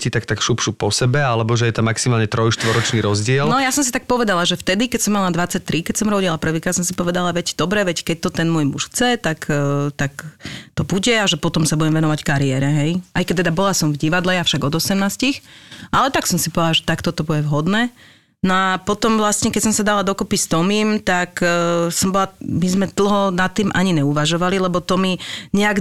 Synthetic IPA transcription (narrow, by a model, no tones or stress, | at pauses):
cit̪akt̪akʃupʃupɔsɛbɛalɛbɔʒɛjɛt̪amːaksimaːlɲɛt̪ɾɔjʃt̪ʋɔɾɔt͡ʃniːɾɔzɟɪɛlnɔjasɔmsit̪ak̚pɔʋɛd̪alaʒɛft̪ɛd̪ikɛcsɔmːalad̪ʋat͡sac̚t̪ɾikɛcsɔmɾɔɟilapɾr̩ʋiːkɾaːt̪sɔ̃msipɔʋɛd̪alaʋɛcd̪ɔbɾɛʋɛckɛc̚t̪ɔt̪ɛnmʊɔjmuʃxt͡sɛt̪akːt̪akt̪ɔbuɟɛaʒɛpɔt̪ɔmsabuɟɛmʋɛnɔʋackaɾiɛːɾɛɦɛjʔajkɛc̚t̪ːɛd̪abɔlasɔmvɟiʋad̪lɛjafʃaɡɔd̪ɔsɛmnaːscixʔalɛt̪aksɔmsipɔʋɛd̪alaʒɛt̪akt̪ɔt̪ɔbuɟɛvɦɔd̪nɛː | nɔapɔt̪ɔmvlasɲɛkɛcsɔmsad̪alad̪ɔkupist̪ɔmimt̪aksɔmbɔlamizmɛd̪̥l̩ˠɦɔnat̪ːiːmʔaɲiɲɛuʋaʒɔʋalilɛbɔt̪ɔmiɲɛaɡ